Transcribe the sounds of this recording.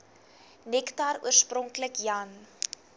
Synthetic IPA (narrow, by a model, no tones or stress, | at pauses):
nɛktɐrṵərsprɔŋkləkjɐn